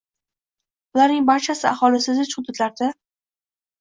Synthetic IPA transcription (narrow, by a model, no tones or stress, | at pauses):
ʊlaɾnɪŋbaɾt͡ʃʰasɪahɒlɪsɪd̪ɪt͡ʃhʊd̪ːʊt̪laɾd̪a